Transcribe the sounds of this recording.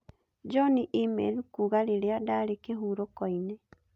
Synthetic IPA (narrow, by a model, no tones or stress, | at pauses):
d͡ʒɔniʔimḛlukuːɣaɾeɾeadaɾekeɦuːɾokɔine